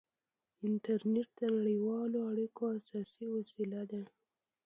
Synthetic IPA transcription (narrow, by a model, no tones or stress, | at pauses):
ɪnʈaɾneʈ̚d̪ənaɽəjwɑloaɽikoasɑsiwasilad̪a